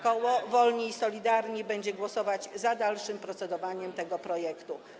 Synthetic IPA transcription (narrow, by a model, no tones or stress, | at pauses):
kɔwɔvɔlɲiːsɔlʲid̪aɾɲibɛɲd͡ʑɛɡwɔsɔvad͡ʑzad̪alʂɘmpɾɔt̪sɛd̪ɔvaɲɛmt̪ɛɡɔpɾɔjɛkt̪u